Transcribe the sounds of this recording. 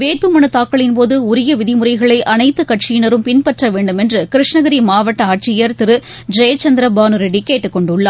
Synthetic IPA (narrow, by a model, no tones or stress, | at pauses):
ʋeːʈ̚pɯmɐnɯt̪aːkːɐɭɪnpoːðɯʊɾɪjɐʋɪðɪmʊɾɐɪɣɐɭɐɪʔɐnɐɪt̪ːɯkɐʈt͡ʃɪjɪnɐɾɯmpɪnpɐʈrɐʋeːɳɖɯmɛndrɯkɪɾɪʂnɐɣɐɾimaːʋɐʈːɐaːʈ̚t͡ʃɪjɐɾt̪ɪɾɯ | d͡ʒɐjt͡ʃɐnd̪ɪɾɐbaːnɯɾɐɽikeːʈːɯkːɔɳɖɯɭːaː